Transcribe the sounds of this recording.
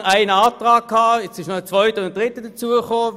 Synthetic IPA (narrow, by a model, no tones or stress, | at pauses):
aɪnɑːtʁaːk̚kʰːaːɛt͡sɪʃnɔət͡sʋɔʏtəʊnt̚d̥ʁɪtəd̥ɐt͡suəχoː